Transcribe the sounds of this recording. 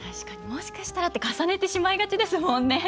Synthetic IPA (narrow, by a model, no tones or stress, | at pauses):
t̪aɕi̥kaɲ̟imo̞ɕi̥kaɕi̥t̪aɾat̪ːekasane̞t̪e̞ɕimaiɡat͡ɕid̪e̞sɨmõ̞nːe̞